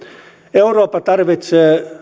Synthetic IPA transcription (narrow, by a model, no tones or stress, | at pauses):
euroːpːɑt̪ɑrʋit̪seː